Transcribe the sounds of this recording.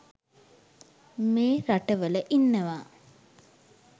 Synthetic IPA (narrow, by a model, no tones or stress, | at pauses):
meːɾaʈəʋələʔinːəʋaː